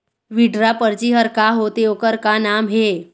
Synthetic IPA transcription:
ʋiɖɾapəɾt͡ɕiɦəɾkaɦot̪eokəɾkanamɦe

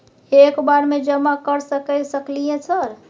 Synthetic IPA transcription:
ekbaɾmed͡ʒəmakəɾsəkɛsəklijẽsəɾ

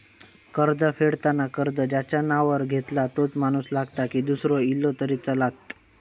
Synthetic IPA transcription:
kəɾd͡zəfeɽt̪anakəɾd͡zəd͡ʑjat͡ɕjanaʋəɾɡʱet̪lat̪ot͡smañuːslaɡt̪akiːd̪usɾoilːot̪əɾit͡səlat̪

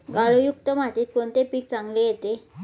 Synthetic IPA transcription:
ɡaɭujuk̚t̪əmat̪iːt̪̚koɳt̪epiːk̚t͡saŋɡlejet̪e

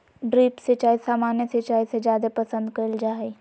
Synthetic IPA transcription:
ɖɾiːpset͡ʃaːɦesaːmaːnjəset͡ʃaːised͡ʒjaːd̪epɐsə̃nd̪kɐɾld͡ʒaːe

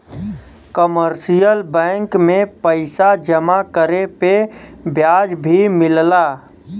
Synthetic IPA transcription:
kəməɾsijəlbɛ̃ːŋkmẽpəɪsad͡ʒəmakəɾepebʱjaːd͡ʒbʱimɪllaː

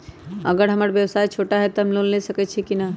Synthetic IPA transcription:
ə̰ɡəɾɦəməɾbjəwsajt͡ʃʰoʈaɦɛt̪ɔɦəmlonlesəkɛt͡ʃʰikina

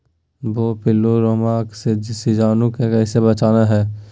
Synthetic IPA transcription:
bopɪlːoɾomaːksesɪd͡ʒaːnukekɛːsebɐt͡ʃaːnaɦɛː

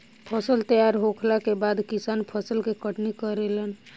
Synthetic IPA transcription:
pʰəsəlt̪əjaɾɦokʰlakebad̪kisanpʰəsəlkekəʈnikəɾelən

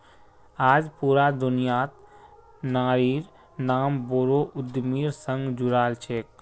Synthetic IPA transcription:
aːd͡ʒpuːɾad̪ʊnijaːt̪ | naːɾiːɾ | naːmboːɾoʔʊd̪miːɾsə̃ŋɡd͡ʒʊɾaːlt͡ʃʰeːk̚

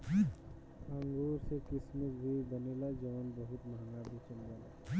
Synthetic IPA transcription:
ãŋɡoːɾsekɪsməkbʱibənelad͡ʒəʋənbəɦʊt̪maŋabʱet͡ʃənbaːla

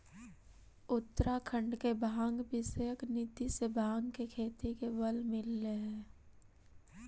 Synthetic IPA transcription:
ʊt̪ːəɾakʰə̃ɳɖkebʱãːŋɡbɪsəjəknit̪isebʱaːŋɡkekʰeːt̪ikebəlmɪlːeɦɛː

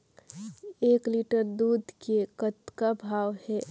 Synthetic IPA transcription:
eːkliʈəɾd̪ud̪ʱkekət̪kabʱaːwhɛ

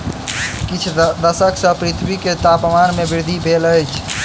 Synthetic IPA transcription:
kit͡ʃʰd̪əsəksə̃pɾit̪ʰwiket̪apmanmebiɾd̪ʱibʱeləjt͡ʃʰ

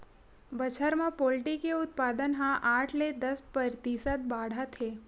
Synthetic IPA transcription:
bət͡ʃʰəɾmãpolʈikeʊt̪̚pad̪ənɦãʔaʈʰled̪əspəɾt̪isət̪̚baɽ̤at̪ʰe

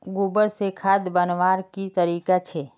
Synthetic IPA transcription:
ɡubəɽsekʰad̪bənʋaɾkit̪əɾikat͡ʃʰe

